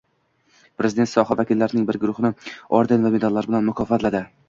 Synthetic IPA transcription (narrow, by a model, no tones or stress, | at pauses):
pɾe̞zɪd̪e̞nt̪sɒhavakʲɪlːaɾɪnɪŋbɪɾɡʊɾʊχɪnɪɒɾd̪envamed̪alːaɾbɪlanmʊkʰɒfat̪lad̪ɪ